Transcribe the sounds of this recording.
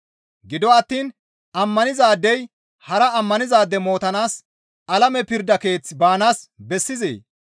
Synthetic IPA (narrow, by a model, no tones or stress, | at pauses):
ɡɪd̪ɔɐt̪ːiːn | ɐmːɐnɪzaːd̪ːɛj | hɐɾɐɐmːɐnɪzaːd̪ːɛmo̞ːt̪ɐnaːs | ɐlɐmɛpɪɾd̪ɐke̞ːt͡sːɪbaːnaːsbɛsːɪzḛː